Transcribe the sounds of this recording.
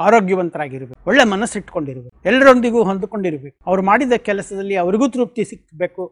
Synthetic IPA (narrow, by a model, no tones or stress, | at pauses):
aːɾo̞ːɡjɐʋɐnt̪ɐɾaːɡiɾɐbeɔɭːemɐnɐsiʈko̞ɳɖiɾɐʋɐuɛlːɐɾond̪iɡuːɦond̪uko̞ɳɖiɾɐbe̞ːkuɐʋɐɾumaːɽid̪ɐkɛlɐsɐd̪ɐlːiɐʋɐɾiɡuːt̪ɾuːp̚t̪isikːbe̞ːku